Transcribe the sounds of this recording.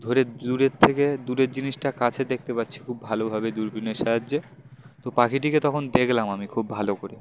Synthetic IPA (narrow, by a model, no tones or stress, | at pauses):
d̪ʱoɾeuɾeɾt̪ʰeked̪uɾeɾd͡ʑiniʃʈakat͡ɕʰed̪ek̚ʰt̪epatːɕʰi̥kʰubːʱalobʱɔbed̪uɾbʱineʃaadːd͡ʑe | t̪opakiʈiket̪ɔkʰond̪ekʰlamamikʰubbʱalokoɾi